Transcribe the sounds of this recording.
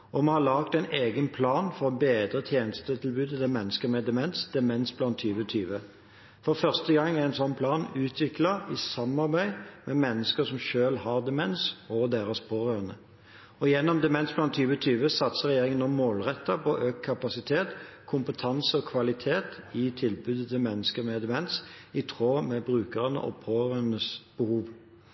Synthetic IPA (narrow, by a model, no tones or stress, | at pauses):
ɔmɛhɑʁlɑːk̚t̪ɛɪneːɡənpʰlɑːnfɔʁɔbeːd̪ʁət̪ʰjeːnəst̪ət̪ʰɪlbʉːd̪ət̪ɛmɛnːəskəʁmɛd̪ɛmɛnsd̪̥ɛmɛnsblɑnt̪ʰːyːʋət̪ʰyːʋə | fɔʁfœʁst̪əɡɑŋːææɪnsɔnːpʰlɑːnʉːt̪ʰʋɪklɑɪsɑmɑʁbæɪmɛmɛnːəskəsɔmʃøːlhɑʁd̪ɛmɛnsoːd̪eːʁɑspʰoːʁøːʁənə | ɔjɛnːɔmd̪ɛmɛnsblɑnt̪ʰːyːʋət̪ʰyːʋəsɑt̪səʁɛjeːʁɪŋənɔmːoːlʁɛt̪ːɑpɔʔøːkʰːɑpɑsɪt̪ʰeːt̪kʰʊmpət̪ʰɑnsəɔkʰʋɑlɪt̪ʰeːt̪ɪt̪ʰɪlbʉd̪ət̪ʰəmɛnːəskəmɛd̪ɛmɛnsɪt̪ʰʁoːmɛbʁʉːkəʁənə̰ʔɔ̰pʰoːʁœnəsb̥əhuːʋ